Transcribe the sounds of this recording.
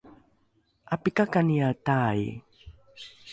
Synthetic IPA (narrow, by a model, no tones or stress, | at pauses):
apikakanijataḭ